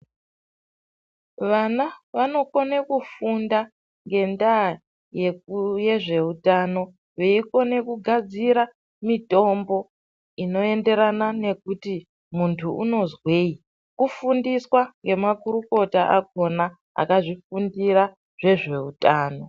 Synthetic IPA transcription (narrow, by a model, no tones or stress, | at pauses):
ʋanaʋano̞konekufunda | ŋɡe̞nda | je̞kujeʐe̞utaːno̞ | ʋeiko̞ne̞kuɡʱad͡ziɾa | mito̞mbo̞ | ino̞e̞nde̞ɾanane̞kuti | muntʰuuno̞zwe̞i | kufundiswaŋɡe̞makuɾuko̞taʔakɡ̚o̞na | a̰kaʐifundiɾa | ʐ̥e̞ʐe̞utaːno̞